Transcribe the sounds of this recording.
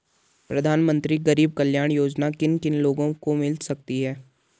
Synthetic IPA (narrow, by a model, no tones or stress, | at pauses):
pɾɐd̪ʱaːnmə̃nt̪ɾiɡɐɾiːb̚kɐljaːɽ̃joːd͡ʒnakɪnkɪnloːɡõkomɪlsɐk̚t̪iɦɛː